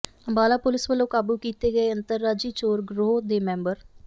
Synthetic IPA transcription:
əmbaːlaːpʊlɪsʋəlːõːkaːbuːkiːt̪eːɡəeːənt̪əɾːaːd͡ʒiːt͡ʃoːɾɡɾoːd̪eːmɛ̃ːmbəɾ

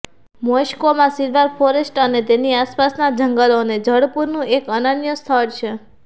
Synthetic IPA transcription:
moʃkomãsiɾʋaɾfʰoɾesʈənet̪eniaspasnad͡ʒəŋɡəloned͡ʒəɽpuɾnũʔekənənjəst̪ʰəɽt͡ʃʰe

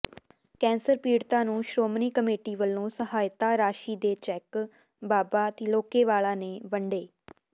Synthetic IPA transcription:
kɛ̃ːnsəɾpiːɽt̪ãːnũːʃɾoːmniːkəmeːʈiːʋəlːõːsəɦaːjt̪aːɾaːʃiːd̪eːt͡ʃɛːk | baːbaːt̪eːloːkeːʋaːlãːneːʋəɳɖeː

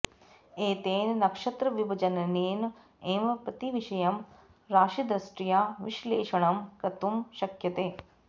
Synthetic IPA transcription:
eːt̪eːnnɐkʂɐt̪ɾɐʋjubʱɐd͡ʒɐnɐneːn | eːmpɾɐt̪iʋiʃɐjɐm | ɾaːʃid̪ɾɐsʈɾijaːʋiʃleːʃɐɳɐmkɐt̪umʃɐkjɐt̪eː

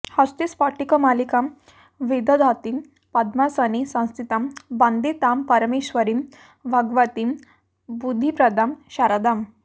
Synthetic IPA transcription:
hast̪ispaʈikəmalikam | ʋed̪əd̪ʱat̪im | pad̪masanisãw̃st̪ʰit̪ãmband̪et̪ampəɾmeɕʋəɾim | bʱaɡʋat̪im | bud̪ʱːipɾəd̪ʱamɕaɾad̪am

